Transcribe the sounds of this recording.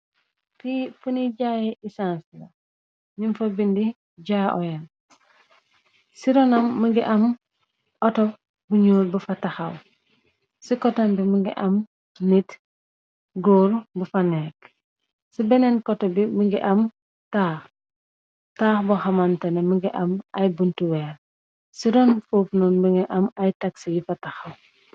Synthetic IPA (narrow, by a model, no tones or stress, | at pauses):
fifuniɟaːjeʔisansla | ninfobindi | ɟaːʔɔ̰jɛn | siɾɔnɐmːəŋɡiʔam | ʔɔto | buɲulbufataxaw | sikɔtanbimuŋɡiʔɐm | nit | ɡoːɾbufɐnɛk | sibɛnɛnkɔtɔbiməŋɡḭʔɐm | taːx | taːxbɔxɐmɐntɐnɛməŋɡiʔɐmɐjbuntuwɛːɾ | siɾɔnfoːfnɔnbuŋɡiʔɐmɐjtɐksijifɐtɐxɐw